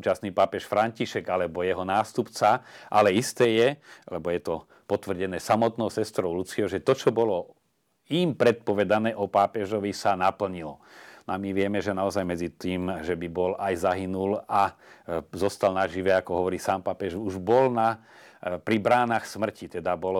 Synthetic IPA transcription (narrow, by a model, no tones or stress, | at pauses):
uːt͡ʃasniːpaːpɛʃfɾaɲciʃɛɡalɛbɔjɛɦɔnaːst̪upt͡saʔalɛist̪ɛːjɛlɛbɔjɛt̪ɔ | pɔt̪ʋr̩ɟɛnɛːsamɔt̪nɔʊsɛst̪ɾɔʊlut͡siɔʒɛt̪ɔt͡ʃɔbɔlɔ | impɾɛt̪̚pɔʋɛd̪anɛːʔɔpaːpɛʒɔʋisanapl̩ɲilɔnamiʋɪɛmɛʒɛnaɔzajmɛd͡zit̪iːmʒɛbibɔlajzaɦinula | zɔst̪alnaʒiʋɛakɔɦɔʋɔɾiːsaːmpaːpɛʒuʒbɔlna | pɾibɾaːnaxsmr̩cit̪ɛd̪abɔlɔ